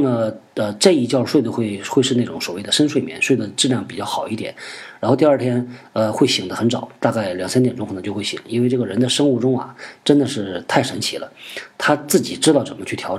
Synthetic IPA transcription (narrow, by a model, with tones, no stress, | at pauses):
nə˩ə˧ʈ͡ʂɤ˥˧i˥˩t͡ɕjɑ˥˧ʊʂwe˥˧ɪd̪ə˧xwe˥˧ɪxwe˥˧ɪʂɻ̩˥˧ne˥˩ʈ͡ʂʊ˧˥ŋswɔ˨˩we˥˩ɪd̪ə˩ʂə˥nʂwe˥˩mjɛ̰˧˥nʂwe˥˩ɪd̪ə˩ʈ͡ʂɻ̩˥˧ljɑ˥˩ŋpi˨˩t͡ɕjɑ˥˩ʊxɑ˨˩ʊi˥˩jɛ̰˨˦nɻa˧˥xt̪i˧ɐ˞˥˩t̪ʰjɛ˥n | ə˧xwe˥˩ɪɕi˨˩ŋd̪ə˦xə˧˥nʈ͡ʂɑ˨˩˦t̪a˥˧ka˥˩ɪljɑ˨˩ŋsa˥nt̪jɛ˨˩nʈ͡ʂʊ˥ŋʰxʰn˧˥t͡ɕjo˥˧xwe˥˩ɪɕḭ˨˩˦ŋi˥nwe˥˧ɪʈ͡ʂɤ˥˩ɡə˩ɻə˧˥nd̪ə˨ʂɤ˥ŋu˥˩ʈ͡ʂʊ˥ŋɐ̰˨˩ʈ͡ʂə˥nd̪ə˨ʂɻ̩˥˩˧t̪ʰa˥˩ɪʂə˧˥nt͡ɕʰi˧˥lə̰˧t̪ʰa˥t͡sɹ̩˥˩t͡ɕi˨˩ʈ͡ʂɻ̩˥t̪ɑ˥˩ʊʈ͡ʂə˨˩nmə˦t͡ɕʰy˥˩jɑ˧˥ʈ͡ʂ